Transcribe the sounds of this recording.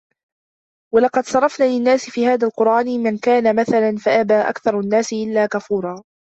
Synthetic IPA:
walɑqɑd̪sˤɑɾˤːɑfnaːlɪnːaːsɪfiːhaːðaːlqʊɾˤʔaːnmankaːnamaθalanfaʔabaːʔa̰kθɑɾˤnːaːsɪʔɪlːaːkafuːɾˤɑː

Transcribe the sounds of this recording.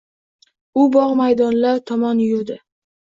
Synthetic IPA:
ʊbɒʁmajd̪ɒnlaɾt̪ʰɒmɒnjʊɾd̪ɪ

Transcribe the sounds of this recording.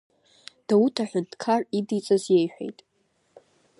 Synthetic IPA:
d̥autʰaħʷᶣʊntʰʼkʰaridit͡sʼazje̞jħʷᶣḛjtʼ

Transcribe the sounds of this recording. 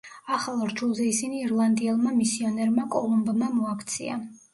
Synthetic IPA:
aχalˠɾd͡ʒulˠzɛisiniːɾlˠand̪iɛlˠmamisiɔnɛɾmakʼɔ̰lˠumbmamɔakʰt̪sʰḭa̰

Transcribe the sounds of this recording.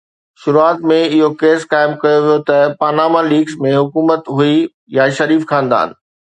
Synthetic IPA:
ʃʊɾuaːt̪mẽɪɦokeːskaːɪmkɐjoʋijot̪ɐpaːnaːmaliːɡzmẽɦʊkuːmət̪ɦui | jaʃɐɾiːfkʰãːnd̪a̰ːɪ̰nɪ̆

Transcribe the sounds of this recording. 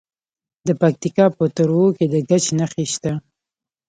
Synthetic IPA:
d̪əpak̚t̪ikɑpət̪əɾwoked̪əɡat͡ʃnaxeʃt̪a

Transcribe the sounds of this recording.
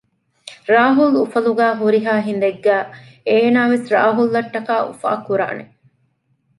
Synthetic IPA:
ɾaːɦulufɐluɡæːɦuɾiɦaːɦind̪eɡːæːeːnaːʋesɾa̰ːɦulːɐʈːɐkaːʔṵfa̰ːkːuɾa̰ːne

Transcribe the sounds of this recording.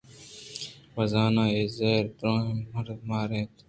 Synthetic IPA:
wɐzaːnãːeːzeːɾt̪ɾõːẽməɾmaːɾẽːt̪

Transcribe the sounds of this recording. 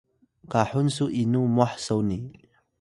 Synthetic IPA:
kaħunsuʔinumuaħsowni

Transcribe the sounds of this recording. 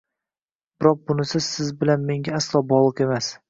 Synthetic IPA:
b̥ɪɾɒq̚bʊnɪsɪz̥sɪzbɪlanme̞ŋɡʲaaslˠɒbɒlˠɨqe̞mas

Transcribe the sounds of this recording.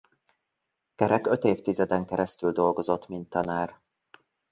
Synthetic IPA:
kɛɾɛkø̞t̪eːft̪izɛd̪ɛŋkɛɾɛst̪yld̪o̞lɡo̞zo̞t̪ːmint̪ːɒnaːr

